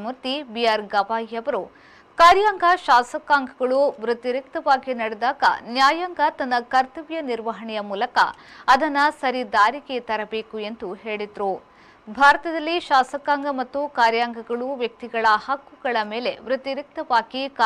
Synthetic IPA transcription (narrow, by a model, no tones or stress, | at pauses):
muɾt̪ibijaːɾɡɐʋaːjɐʋɐɾu | kaːɾjaːŋɡɐʃaːsɐkːaːŋɡɐɡɐɭuʋɾut̪iɾik̚t̪ɐʋaːɡinɐɽed̪aːɡɐ̰njaːjaːŋɡɐt̪ɐnːɐkɐɾt̪ɐʋjɐniɾʋɐɦɐɳɛjɐmuːlɐkɐ̰ɐd̪ʱɐnːɐsɐɾid̪aːɾiɡe̞t̪ɐɾɐbe̞ːkue̞nd̪uɦe̞ːɭid̪ɾu | bʱaːɾɐt̪ɐd̪ɐlːiʃaːsɐkːaːŋɡɐmɐt̪ːukaːɾjaːŋɡʱɐɡɐɭuʋjɐk̚t̪iɡɐɭɐhɐkːuɡɐɭɐme̞ːle̞ʋɾut̪iɾik̚t̪ɐʋaːɡikː